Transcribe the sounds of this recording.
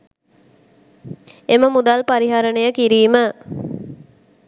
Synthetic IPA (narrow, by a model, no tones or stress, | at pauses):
eməmud̪alpaɾiɦaɾənəjəkiɾiːmə